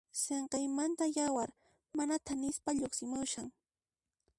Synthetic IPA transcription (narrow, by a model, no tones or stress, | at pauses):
seɴqejmant̪ajawaɾ | manat̪anɪspaʎoχsɪmʊʃaŋ